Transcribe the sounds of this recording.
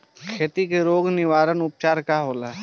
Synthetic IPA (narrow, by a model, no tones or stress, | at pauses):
kʰeːt̪ikeɾoːɡnɪʋaːɾənʊp̚t͡ʃaːɾkaɦoːlaː